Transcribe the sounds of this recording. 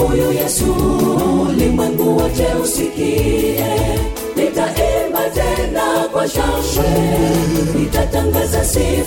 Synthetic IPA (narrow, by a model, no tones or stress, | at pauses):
ɔjɔjɛsu | limwɛŋɡuwad͡ʒɛusikiɛ | nitaʔɛmbatɛndakwaʃaɛ | nitataŋɡazasɛ